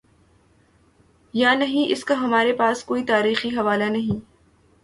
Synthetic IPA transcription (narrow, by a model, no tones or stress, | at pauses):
janɐɦĩʔɪskaɦɐmaːɾepaːskoːit̪aːɾiːxiɦɐʋaːlanɐɦĩː